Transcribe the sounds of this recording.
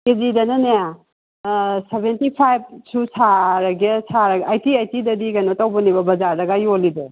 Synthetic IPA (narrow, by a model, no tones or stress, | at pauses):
kezidɐnɐnaja | sebʱentipʰajb̚sʰusʰaɾaɡesʰaɾaɡajtiajtidɐdiɡajnotawbɐnibɐbɐzaɾdɐɡajolide